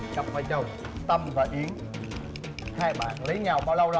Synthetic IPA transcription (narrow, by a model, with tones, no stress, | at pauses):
t͡ɕa˨˩mfaː˨˧˩jt͡ɕə˨˩w | t̪ə˧mvaː˨˩ʔi˨˦əŋ | haː˧jɓa̰ː˧˨nlə˨˦jɲa˨˩wɓaː˧wlə˧wl